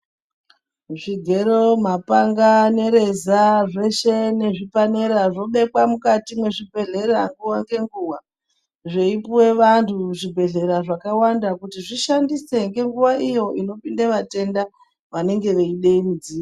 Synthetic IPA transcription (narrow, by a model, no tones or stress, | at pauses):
ʐiɡʱe̞ɾo̞mapaŋɡane̞ɾezaʐe̞ʃe̞ne̞ʐipaneɾaʐo̞ɓe̞kwamukatimwe̞ʐibʱe̞ɮe̞raŋɡuwaŋɡe̞ŋɡuwa | ʐe̞ipuwe̞ʋantʰuʐibʱe̞ɮe̞ɾaʐakawandakutiʐiʃandise̞ŋɡe̞ŋɡuʋaʔijo̞ʔino̞pindeʋate̞nda | ʋane̞ŋɡe̞ʋeiɗeimid͡ziːa